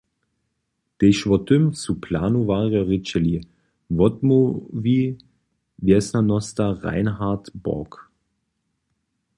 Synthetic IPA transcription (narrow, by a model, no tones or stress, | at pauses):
d̥eʃʋɔtʏmt͡supʰlaːnuvaːʁjɔʁɪt͡ʃɛli | vɔtmoviː | vɛsnɐnɔstɐʁa̰ɪnɦaɐtb̥ɔ̰ɐk